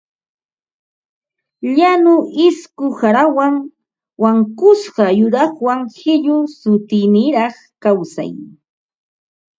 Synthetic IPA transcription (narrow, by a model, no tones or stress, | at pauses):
ʎanʊʔɪskʊhaɾawaŋ | waŋkʊsɢɑjʊɾɑχwaŋxɪʎʊsʊt̪ɪnɪɾɑχ | kawsa̰j